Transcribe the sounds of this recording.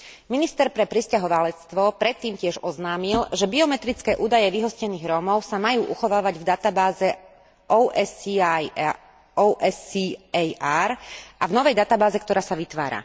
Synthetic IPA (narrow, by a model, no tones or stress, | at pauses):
minist̪ɛɾpɾɛpɾiscaɦɔʋalɛt͡st̪ʋɔpɾɛt̪ːiːmcɪɛʒɔznaːmilʒɛbiɔmɛt̪ɾit͡skɛːʔuːd̪ajɛʋiɦɔscɛniːɣɾɔmɔʊsamajuːʔuxɔʋaːʋaɟvd̪at̪abaːzɛ | ʔɔɛs | ɔʔɛsiɛjaɾʔavnɔʋɛjd̪at̪abaːzɛkt̪ɔɾaːsaʋit̪ʋa̰ːɾa̰